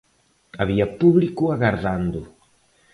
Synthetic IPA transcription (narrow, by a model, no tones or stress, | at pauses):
aβiɐpuβlikʊaɣaɾðand̪ʊ